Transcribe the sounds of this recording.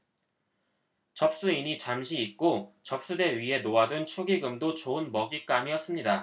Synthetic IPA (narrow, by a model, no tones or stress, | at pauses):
t͡ɕʌp̚s͈uiɲit͡ɕamɕʰiːk͈ot͡ɕʌp̚s͈ude̞ɥiɦe̞noadɯnt͡ɕʰoɡiɡɯmdot͡ɕoɯnmʌɡik͈amiʌs͈ɯmɲida